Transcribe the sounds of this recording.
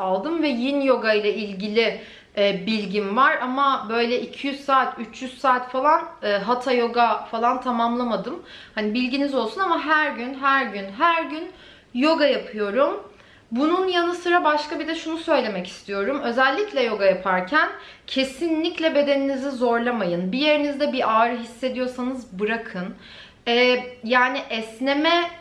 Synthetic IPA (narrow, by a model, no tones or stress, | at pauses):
alˠd̪ɯmvɛjinjo̞ɡajlˠailʲɟilʲɪ | bilʲɟinvaɾamabø̞jlʲɛicʰijyz̥saːt̪ʰyt͡ʃʰjyz̥saːt̪falˠanɯɦat̪ʰajo̞ɡafalˠant̪ʰamamlˠamad̪ɯmhanibilʲɟinizo̞lˠsunamaɦæɾɟynɦæɾɟynɦæɾɟyn | jo̞ɡajapʰɯjo̞ɾum | bununjanɯsɯɾabaʃkabid̪ɛʃunusø̞jlʲe̞mɛci̥st̪ʰijo̞ɾumø̞zɛlʲːiclʲɛjo̞ɡajapʰaɾcʰæncʰe̞sinlʲiclʲɛbe̞d̪e̞ninizizo̞ɾlˠamajɯnbije̞ɾinizd̪ɛbiʔaːɾɯɦisːe̞d̪ijo̞ɾsanɯzbɯɾakʰɯn | ɛjaːniʔɛsnemɛ